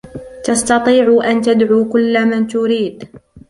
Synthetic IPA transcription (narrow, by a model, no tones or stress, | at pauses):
t̪ɑst̪ɑt̪ˤiːʕʊʔant̪ad̪ʕuːkʊlːamant̪ʊɾiːd̪